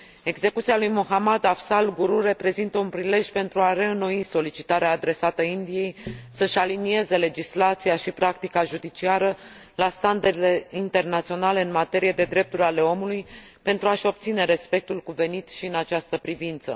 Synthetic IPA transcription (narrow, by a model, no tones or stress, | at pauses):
e̞ɡze̞kut̪sialujmoɦamad̪afsalɡuɾure̞pɾe̞zint̪əunpɾile̞ʒʲpe̞nt̪ɾuare̞ɨno̞iso̞lit͡ʃit̪aɾeaːd̪ɾe̞sat̪əind̪ije̞jsəʃʲalinie̞ze̞le̞d͡ʒislat̪sijaʃipɾakt̪ikaʒud̪it͡ʃiaɾə | last̪and̪aɾile̞int̪e̞rnat̪sio̞nale̞ɨnmat̪e̞ɾije̞d̪e̞d̪ɾe̞p̚t̪uɾʲale̞o̞muluj | pe̞nt̪ɾuaʃo̞p̚t̪sine̞ɾe̞spe̞k̚t̪ulkuve̞nit̪ʃiɨnat͡ʃast̪əpɾivint̪sə̰